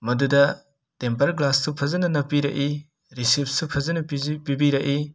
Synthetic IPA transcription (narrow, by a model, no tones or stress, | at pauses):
mɐdudɐ | tempɐɾklassupʰɐzɐnɐnɐpːiɾɐʔi | ɾisip̚ʰsupʰɐzɐnɐpipibiɾɐʔi